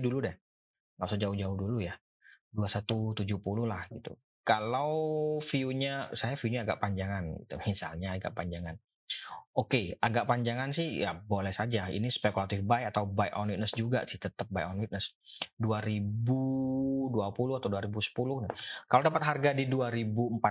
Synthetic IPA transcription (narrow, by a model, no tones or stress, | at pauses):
duludɛh | ŋasod͡ʒaʊhd͡ʒaʊhduluja | duasat̪ut̪ud͡ʒuhpulʊhlahɡit̪ṵ | kalawfiuɲasajafiuɲaːɡa̰ʔpaɲd͡ʒaŋanɡit̪umisa̰lɲaːɡa̰ʔpaɲd͡ʒaŋan | okeaɡaʔpaɲd͡ʒaŋansɪhja̰bolɛhsad͡ʒaḭnispekulat̪ɪfbaiat̪awbajʔɔnwit̪̚nəsd͡ʒuɡa̰sɪht̪ət̪əp̚bajʔɔnwit̪̚nəs | duaɾibuduapulʊhat̪awduaɾibusə̥pulʊhnakaladapət̪ɦarɡadiduaɾibuəmpat̪̚